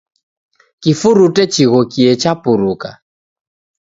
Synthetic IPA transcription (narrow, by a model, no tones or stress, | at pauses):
kifuɾutɛt͡ʃiɣɔkiɛt͡ʃapuɾuka̰